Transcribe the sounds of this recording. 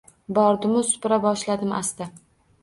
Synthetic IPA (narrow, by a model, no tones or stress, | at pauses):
bɒɾd̪ʊmʊsʊ̥pɾabɒʃlad̪ɪmʔa̰st̪a